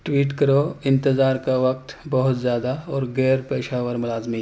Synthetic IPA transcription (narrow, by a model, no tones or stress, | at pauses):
ʈwiːʈkɐɾoɪ̃nt̪ɪzaːɾkaʋɐk̚t̪bɐɦʊt̪zjaːd̪aɔːɾɡɛːɾpɛːʃaːʋəɾmʊlaːzmi